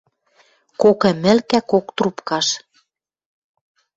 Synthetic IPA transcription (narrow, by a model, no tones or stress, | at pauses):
kokĕmɘ̆lkækokt̪rupkɑʃ